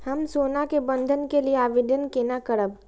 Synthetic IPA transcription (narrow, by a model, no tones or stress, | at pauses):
hɐmsoːnakebə̃nd̪ʱənkelieaːʋɪɖənkeːnakəɾəb